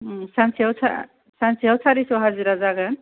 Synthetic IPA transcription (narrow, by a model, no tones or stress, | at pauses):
sansiawsʰa̰ | sansiawsʰaɾisɔɦaɾziɾazaɡan